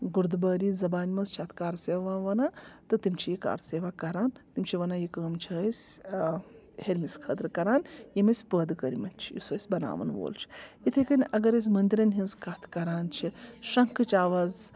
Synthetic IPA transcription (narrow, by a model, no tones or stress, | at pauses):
ɡuɾd̪bɐːɾiːzɐbaːnʲmɐst͡ʃʰaːt̪ʰkaːɾseːʋaʋaːʋɐnaːt̪ɨt̪imt͡ʃʰijika̰ːɾseːʋaːkɐɾaːnt̪imʲt͡ʃʰiʋɐnajikəːmt͡ʃʰɐsʲ | heɾʲmiskʰət̪ɾɨkɐɾaːnjɐmɐsʲpəːd̪kɐɾimɐnt͡ʃʰijḭsɐːsʲbɐna̰ːʋɐ̰nʋo̰ːlt͡ʃʰi̥it̪ʰekɐnʲɐɡɐɾɐs̬ʲmɐnd̪iɾɐnʲɦinzkaːt̪ʰkɐɾaːnt͡ʃʰiʂɐŋkʰɨt͡ʃaːʋaːz